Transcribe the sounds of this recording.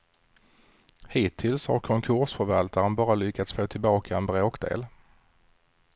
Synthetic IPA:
hiːt̪ʰɪlsha̰ɾkʰɔŋkʰɵʂfœɾvalt̪aɾənbɑːɾalʏkːat̪sfoːt̪ʰɪlbɑːkʰaɛnbɾoːkd̪ḛːl

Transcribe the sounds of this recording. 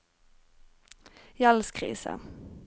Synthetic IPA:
jalskʰɾḭːsə̰

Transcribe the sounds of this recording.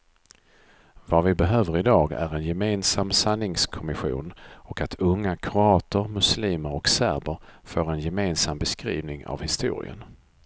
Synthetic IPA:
vavɪbɛɦøːvəɾɪd̪ɑːɡæ̰ɾɛnjɛmeːnsamːsanːɪŋskʰɔmɪɧṵːnɔkat̪ʰɵŋːakʰɾʊɑːt̪ʰəɾmɵsliːməɾɔksæɾbəɾfoːɾɛnjɛmeːnsambɛskɾḭːvnɪŋa̰vhɪst̪ṵːɾɪ̰ə̰n

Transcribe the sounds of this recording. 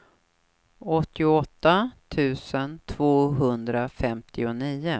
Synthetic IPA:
ɔt̪ːɪʊɔt̪ːat̪ʰʉ̟ːsənt̪ʰvoːɦɵnd̪ɾafɛmt̪ʰɪʊniːʊ

